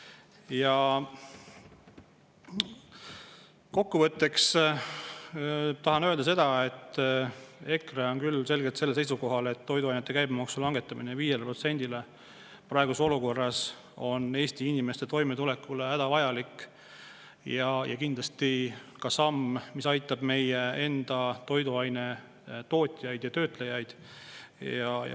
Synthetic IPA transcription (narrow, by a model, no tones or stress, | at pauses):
jɑ | ko̞kːuvɤt̪ˑːe̞ks | t̪ɑɦɑnø̞ːld̪ɑse̞d̪̥ɑe̞t̪ː | e̞kreo̞nkylse̞lɡet̪se̞lːes̬ejsuko̞ɦɑle̞t̪ːo̞jd̪uɑjnet̪ːe̞kæjbmɑksulɑŋɡe̞t̪ːˑɑmineviːjelepro̞t̪se̞nʲd̪ile | prɑeɡuseo̞luko̞rːɑs | o̞ne̞ːsʲt̪iinʲime̞st̪e̞t̪o̞jmet̪ule̞kːˑulehæd̪̥ɑvɑjɑlikː | jɑjɑ̰kind̪lɑst̪ikɑsɑmːmisɑjt̪ːˑɑb̥me̞jee̞nd̪̥ɑt̪o̞jd̪uɑjne | t̪o̞ːt̪ʲˑijɑjd̪jɑt̪ø̞ːt̪ˑlejɑjd̪̥ | jɑj